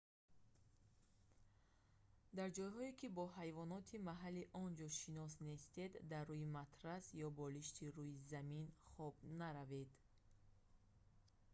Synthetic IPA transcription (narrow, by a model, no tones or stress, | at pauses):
d̪aɾd͡ʒɔjɦɔikʰibɔhajvɔnɔt̪ʰimaɦalːiʔɔnd͡ʒɔʃinɔsne̞st̪e̞d̪ːarːujimat̪ʰɾasjɔbɔliʃt̪ʰiɾujizaminχɔbnaɾaved̪